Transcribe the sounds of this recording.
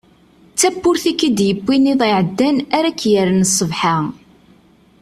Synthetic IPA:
t͡sːæpːʊɾθikːid̪jəpːiniðˤiʕəd̪ːænæɾækːjəɾnsˤːəvħa

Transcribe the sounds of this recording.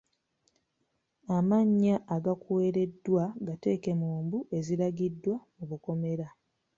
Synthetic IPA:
amaɲːaʔːɡakuwe̞ːɾe̞dːwaɡate̞ːke̞muːmbuʔe̞zilaɡidːwamuβuko̞me̞ɾa

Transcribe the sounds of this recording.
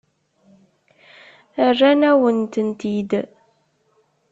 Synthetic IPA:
ərːænæwənt̪ənt̪id̪

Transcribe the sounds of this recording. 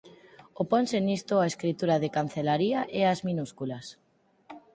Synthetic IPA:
oponsenist̪oaeskɾit̪uɾaðekan̟θelaɾiaʔeazminuskulas

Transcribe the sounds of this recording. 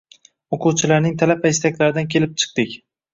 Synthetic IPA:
oqʰuwt͡ʃʰɪlaɾnɪŋt̪ʰalapʰaɪst̪akʲlaɾɪd̪ankʲʰe̞lɪp̚t͡ʃʰɨ̥q̚t̪ɪkʲ

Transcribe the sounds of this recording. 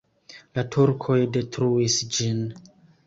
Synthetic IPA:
latʰuɾkʰo̞jde̞tɾuisd͡ʒin

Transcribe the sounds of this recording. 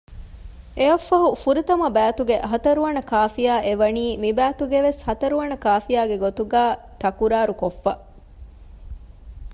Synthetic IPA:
ʔeɐfːɐɦufuɾit̪ɐmɐbæːt̪uɡeʔɐɦɐt̪ɐɾuʋɐnɐkaːfijaːʔeʋɐniːmibæːt̪uɡeʋeshɐt̪ɐɾuʋɐnɐkaːfijaːɡeɡot̪uɡaː | t̪ɐkuɾaːɾukofːɐ

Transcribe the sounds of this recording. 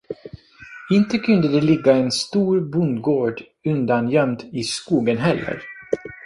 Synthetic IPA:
ɪnt̪əkʰɵnd̪əd̪ɛlɪɡːaɛnst̪uːɾbɵnd̪ɡoːɖ | ɵnd̪anjœmd̪ɪskuːɡənɦɛlːə̰ɾ

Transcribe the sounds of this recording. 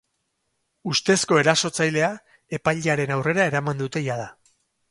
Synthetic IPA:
ust̪e̞sko̞e̞ɾaso̞t͡sajle̞a | e̞pajʎeaɾe̞nawre̞ɾae̞ɾamand̪ut̪e̞jað̞a

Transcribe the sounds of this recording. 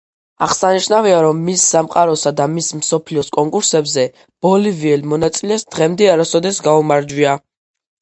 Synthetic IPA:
aʁsaniʃnaviaɾɔmːisːamqʼaɾɔsad̪amismsɔpʰliɔskʼɔŋkʼuɾsɛbzɛ | b̥ɔliviɛlmɔnat̪sʼilɛsd̪̥ʁɛmd̪ɛaɾasɔd̪ɛsɡaumaɾd͡ʒwia

